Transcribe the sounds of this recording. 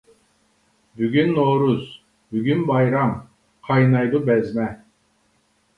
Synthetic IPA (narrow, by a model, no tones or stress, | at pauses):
byɡʲynːoːɾuz | byɡʲynbɑjɾam | qʰɑjnɑjd̪ubɛzmɛ